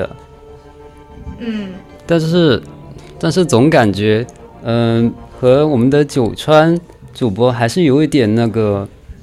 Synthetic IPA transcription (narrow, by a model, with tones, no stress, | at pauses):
ə̰˩˥˩ | t̪a˥˧nʂɻ̩˥˩t̪a˥˧nʂ̬ɻ̩˥˩t͡sʊ˧˥ŋka˨˩nt͡ɕɥɛ˧˥ | ə˧xɤ˧˥wɔ˨˩mə˦nd̪ə˧t͡ɕjo˨˩ʊʈ͡ʂʰwa˥n | ʈ͡ʂu˨˩pwɔ˥xa˧˥ɪʂɻ̩˥˩jo˧˥ʊi˧˥t̪jɛ˨˩nna˥˩ɡə˩